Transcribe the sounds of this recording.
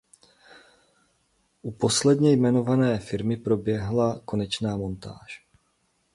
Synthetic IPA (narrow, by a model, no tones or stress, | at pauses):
ʔupo̞slɛdɲɛjmɛno̞vanɛːfɪɾmɪpɾo̞bjɛɦlako̞nɛt͡ʃnaːmo̞nt̪a̰ːʃ